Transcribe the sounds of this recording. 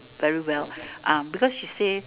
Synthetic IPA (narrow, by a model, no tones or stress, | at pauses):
vɛɹiwɛlˠʔʌ̃mbikɔsʃise